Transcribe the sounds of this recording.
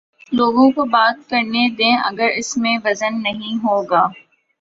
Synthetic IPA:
loːɡõkobaːt̪̚kɐɾned̪ẽːʔɐ̰ɡəɾɪsmẽʋɐzənːɐɦĩɦoːɡaː

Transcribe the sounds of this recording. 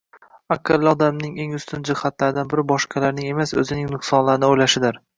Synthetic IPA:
akʲʰːalːɪɒd̪amnɪŋe̞ŋʊst̪ʰɪnd͡ʒɪχat̪laɾɪd̪anbɪɾɪbɒʃqʰɑlaɾnɪŋe̞masɵ̰zɪnɪŋnʊχsɒnlaɾɪnɪojlaʃɪd̪ɪɾ

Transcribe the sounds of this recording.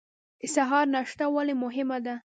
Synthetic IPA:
ɪsaɦɑɾnaʃt̪awalemʊɦɪmad̪a

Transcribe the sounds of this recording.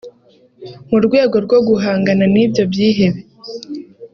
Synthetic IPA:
muɾɡwe̞ːɡo̞ɾɡo̞ɡuɦaːŋɡananibjo̞bjiːɦe̞βe

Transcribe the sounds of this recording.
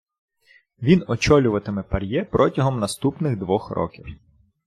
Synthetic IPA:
ʋʲinɔt͡ʃɔlʲʊʋɐt̪ɪmɪpɐɾʲjɛpɾʔɔtʲɐɦɔmnɐst̪upnɪɣd̪ʋɔxɾɔ̰kʲiw

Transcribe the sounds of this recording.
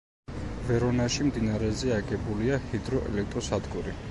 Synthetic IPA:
vɛɾɔnaʃimd̪inaɾɛzɛaɡɛbuliahid̪ɾɔʔɛ̰lɛkʰt̪ʼɾɔsad̪ɡuɾi

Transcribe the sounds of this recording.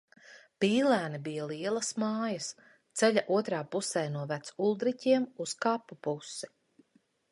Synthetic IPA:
piːlˠæːnibijɐlˠiɛlˠɐsmaːjɐs | t̪sɛʎʲaʔuɔt̪ɾaːpusɛːjnuɔvæt̪sulˠd̪ɾicʲiɛmuskaːpːupusːi̥

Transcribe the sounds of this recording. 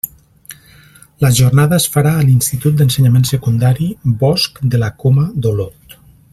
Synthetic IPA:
ləʒornaðəːsfaɾaəlinst̪it̪ut̪̚d̪ənsəɲamensəkund̪aɾibɔskd̪əlakoməðolot̪

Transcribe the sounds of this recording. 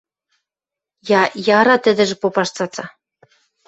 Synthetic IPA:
jɑjɑɾɑt̪ɘ̆d̪ɘ̆ʒɘ̆popɑʃt͡sɑt͡sɑ

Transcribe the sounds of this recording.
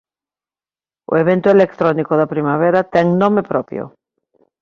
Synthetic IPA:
o̰eβ̞ent̪ʊelek̚t̪ɾonikoðapɾimaβ̞eɾat̪ɛŋnõmepɾɔpjo̰

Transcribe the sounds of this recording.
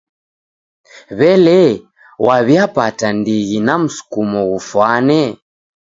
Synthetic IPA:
βɛlɛ | waβjapatandiɣinam̩su̥kumɔɣufwanɛ

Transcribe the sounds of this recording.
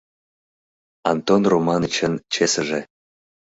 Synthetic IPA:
ɑ̰nt̪onromɑnit͡ɕənt͡ɕesəʒe

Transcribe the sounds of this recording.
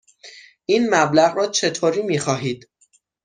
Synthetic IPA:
ʔiːnmæblæɣrɒːt͡ʃʰe̞t̪ʰoːɾiːmiːxɒːɦiːd̪̥

